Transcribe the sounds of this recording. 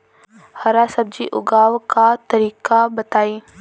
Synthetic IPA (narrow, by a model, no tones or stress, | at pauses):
hɐɾasɐb̚d͡ʒiʔʊ̰ɡaːʋkat̪ɐɾiːkabɐt̪aːiː